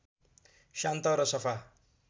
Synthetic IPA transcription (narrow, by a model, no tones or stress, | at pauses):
ʃant̪ʌɾʌsʌpʰa